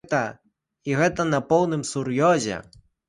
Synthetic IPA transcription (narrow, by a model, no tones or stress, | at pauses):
t̪ɐ | iɣɛt̪ɐnɐpɔwnɨmsuɾjɔzʲɛ̰